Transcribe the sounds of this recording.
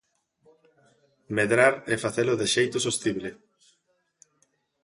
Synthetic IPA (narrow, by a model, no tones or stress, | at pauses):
meðɾaɾefaθelʊðeʃejt̪ʊsost̪iβle